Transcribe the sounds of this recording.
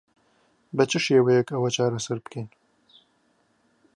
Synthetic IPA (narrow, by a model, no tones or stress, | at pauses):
bɛt͡ʃʰɨʃeːwɛjɛkɐwɐt͡ʃʰaːɾɐsɐɾbɨkʰen